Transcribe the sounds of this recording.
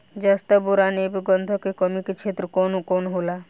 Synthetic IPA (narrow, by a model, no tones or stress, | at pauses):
d͡ʒast̪aboɾanebiɡɔnd̪ʱɔkekɔmiket͡ʃʰet̪ɾəkonkonɦola